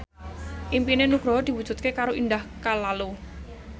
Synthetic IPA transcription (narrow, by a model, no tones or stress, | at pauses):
ʔimpinenuɡ̥ɾɔɦd̪̥i̤wud̥ʒ̥ṳt̪̚kekaɾoʔind̪ahkalalu